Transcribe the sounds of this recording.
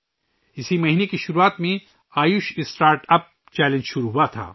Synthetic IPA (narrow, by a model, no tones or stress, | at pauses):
ɪsimɐɦiːnekiʃʊɾuaːt̪mẽ | aːjʊʃɪsʈaːɾʈɐp̚ | t͡ʃɛːlə̃nd͡ʒʃʊɾuɦuat̪ʰa̰ː